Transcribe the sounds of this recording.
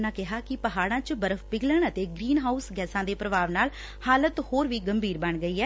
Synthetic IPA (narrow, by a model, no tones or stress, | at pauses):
nãːkɪɦaːkɪpəɦaːɽãːt͡ʃbəɾəfpɪɡləɳət̪eːɡɾiːnɦaːusɡɛːsãːd̪eːpɾəbaːʋnaːl | haːlət̪hoːɾʋiːɡəmbʱiːɾbəɳɡəiːɛː